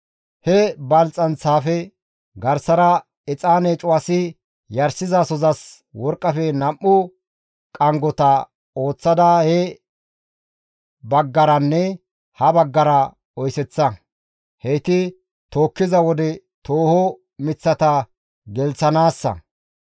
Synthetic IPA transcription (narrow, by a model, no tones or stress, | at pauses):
hɛbɐlt͡sʼːɐnt͡sːaːfɛ | ɡɐɾsɐɾɐ | ɪt͡sʼaːneːt͡ʃʼʊwɐsɪ | jɐɾsɪzasɔzɐs | wɔɾkʼːɐfɛnɐmːʊ | kʼɐŋɡɔt̪ɐ | o̞ːt͡sːɐd̪ɐhɛ | bɐɡːɐɾɐnːɛ | hɐbɐɡːɐɾɐ | ɔjsɛt͡sːɐ | hejt̪ɪ | t̪o̞ːkːɪzɐwɔd̪ɛ | t̪oːhɔ | mɪt͡sːɐt̪ɐ | ɡɛlt͡sɐnaːsːɐ̰